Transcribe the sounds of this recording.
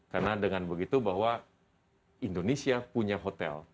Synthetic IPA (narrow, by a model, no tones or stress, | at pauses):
karnadəŋanbəɡit̪ubaɦwa | indonesiapuɲaɦot̪ɛ̰l